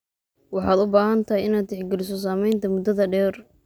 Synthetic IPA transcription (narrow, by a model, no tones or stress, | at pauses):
wɑħɑːd̪ʊbaːɦɐnt̪ʰɐɦɛjɪnaːd̪̚t̪ʰɪħɡɛlɪs̬ɔs̬aːmɛjnt̪ʰɐmʊd̪ːɐðɐɖɛːr